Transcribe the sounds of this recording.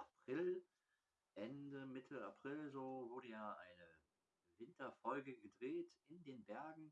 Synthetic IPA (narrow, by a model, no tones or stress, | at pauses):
ʔapʁ̥ɪl | ʔɛndəmɪtʰəapʁ̥ɪlzoːvʊɐɾəjaːʔaɪnə | vɪntɐfɔlɡəɡədʁeːtɪndeːnbɛɐɡŋ̩